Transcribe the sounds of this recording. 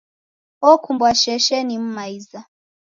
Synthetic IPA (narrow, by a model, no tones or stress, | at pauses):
ɔkʰumbwaʃɛʃɛnim̩maiza